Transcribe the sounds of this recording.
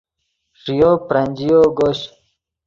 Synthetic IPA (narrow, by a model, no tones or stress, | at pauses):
ʂijopɾanʲd͡ʑijoɡoɕ